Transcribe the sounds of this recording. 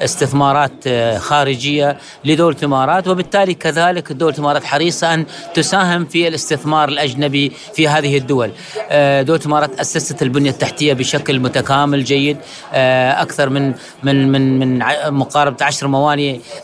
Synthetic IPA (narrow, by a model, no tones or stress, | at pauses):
ʔɪst̪ɪθmɑːɾˤɑːt̪xaːɾɪd͡ʒɪjːa | lɪd̪oːlθɪmɑːɾˤɑːt̪wɪbɪt̪ːaːlikaðaːlɪkd̪ːoːlθɪmɑːɾˤɑːt̪ħɑɾiːsˤɑʔant̪ʊsaːɦɪmfilɪst̪ɪθmɑːɾˤɪlʔad͡ʒnabi | fiɦaːðɪhɪd̪ːʊwal | d̪oːlθɪmɑːɾˤɑːt̪ʔasːasat̪lbʊnjat̪ːaħt̪ɪjːabɪʃaklmʊt̪akaːmɪld͡ʒajːɪd̪ | ʔakθɑɾˤmɪn | mɪnmɪnmɪnʕamʊqɑːɾˤbat̪ʕaʃɾˤmawaːni